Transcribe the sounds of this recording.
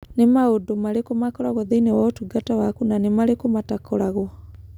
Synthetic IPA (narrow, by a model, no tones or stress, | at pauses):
nemaodomaɾekomakɔɾaɣwɔðeinɛwaotuɡatawakunanemalekomatakɔɾaɣwɔ